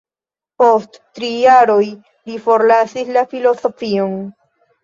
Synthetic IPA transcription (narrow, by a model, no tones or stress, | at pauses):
po̞sttɾijaɾo̞j | lifo̞ɾlasislafilo̞so̞fion